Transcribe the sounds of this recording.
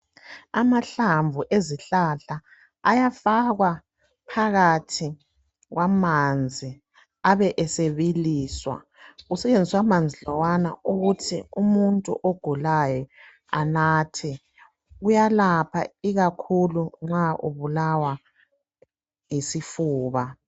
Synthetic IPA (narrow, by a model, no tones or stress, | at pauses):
amaɬaɱvuʔeziɬaɬaː | jafaɣwa | pʰaɣatʰi | ɣwamand͡zʱi | aβɛʔɛseβiliːswa̰ | ɣusɛt͡ʃend͡zʱiswamand͡zʱilɔwana̰uɣutʰiumuntʼṵʔoɡ̥ʱulajɔ | a̰naːtʰɛ | ɣujalapʰa̰iɣakʰuluŋ͡ǁaʔṵβulawa | jisifuːβa